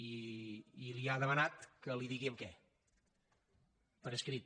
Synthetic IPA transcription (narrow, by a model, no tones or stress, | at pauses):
iː | liaðəmənat̪kəliðiɣiəmkɛ | pəɾəskɾit̪̚